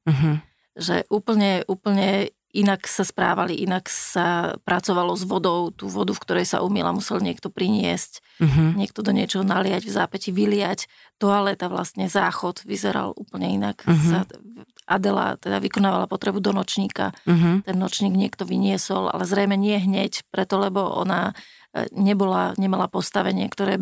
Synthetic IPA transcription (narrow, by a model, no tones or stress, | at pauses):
ɦ | ʒɛ̰ʔuːpl̩ɲɛʔuːpl̩ɲɛ | inaksaspɾa̰ːʋaliʔinaksapɾat͡sɔʋalɔzʋɔd̪ɔʊt̪uːʋɔd̪ufkt̪ɔɾɛjsa̰ʔumila̰musɛlɲɪɛkt̪ɔpɾiɲɪɛ̰sc | ɦɲɪɛk̚t̪ɔd̪ɔɲɪɛt͡ʃɔɦɔnalɪaɟvzaːpɛciʋilɪac | t̪ɔalɛt̪aʋla̰st̪ɲɛzaːxɔd̪ʋizɛɾa̰lʔuːpl̩ɲɛinaksaʔa̰d̪ɛla̰t̪ɛd̪aʋikɔnaːʋalapɔt̪ɾɛbud̪ɔnɔt͡ʃɲiːka̰ɦt̪ɛnːɔt͡ʃɲiːɡɲɪɛkt̪ɔʋiɲɪɛsɔlʔa̰lɛzɾɛjmɛɲɪɛɦɲɛcpɾɛt̪ɔlɛbɔʔɔ̰na | ɲɛbɔlaɲɛmalapɔst̪aʋɛɲɪɛkt̪ɔɾɛː